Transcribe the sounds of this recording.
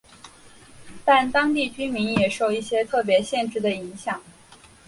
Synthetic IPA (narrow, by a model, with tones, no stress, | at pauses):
t̪a˥˩nt̪ɑ˥ŋt̪i˥˩t͡ɕy˥mi˧˥njɛ˨˩ʂo˥˧ʊi˥˩ɕjɛ˥t̪ʰɤ˥˩p̬jɛ˧˥ɕjɛ˥˧nʈ͡ʂɻ̩˥˩d̪ə˧i˧˥ŋɕjɑ˨˩˦ŋ